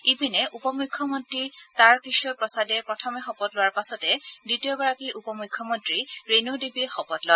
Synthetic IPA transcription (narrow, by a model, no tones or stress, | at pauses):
ibʱinɛʔupɔmukʰːɔmɔntɹitaɹkisɔpɹɔsadɛɹpɹɔtʰɔmɛxɔpɔtlʊwaɹpasɔtɛditijɔɡɔɹakiʔupɔmukʰːɔmɔntɹiɹenudibixɔpɔtlɔa